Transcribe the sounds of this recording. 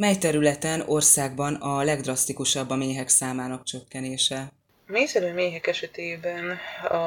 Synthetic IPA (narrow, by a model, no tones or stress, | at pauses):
mɛjt̪ɛɾylɛt̪ɛno̞rsaːɡbɒnɒlɛɡd̪rɒst̪ikuʃɒbːɒmeːɦɛksaːmaːnɒkt͡ʃø̞kːɛneːʃɛ | meːjsɛɾøːmeːɦɛkɛʃɛt̪eːbɛnɒ